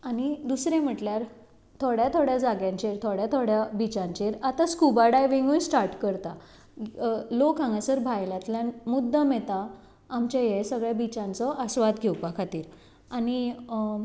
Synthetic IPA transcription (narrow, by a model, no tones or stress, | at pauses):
añid̪usɾẽm̤əʈljaɾ | t̪ʰoɽjat̪ʰoɽjad͡zaɡjãɲt͡ɕeɾt̪ʰoɽjat̪ʰoɽjabit͡sãɲt͡ɕeɾat̪askubaɽajʋiŋɡũjsʈaɾʈkəɾt̪a | lokãŋɡasəɾbʱajljãt̪ljanmud̪ʱːəmet̪aː | mt͡ɕajesəɡɭjabit͡ɕãnt͡sɔʔəsʋad̪ɡʱewpakʰat̪iːɾ | añi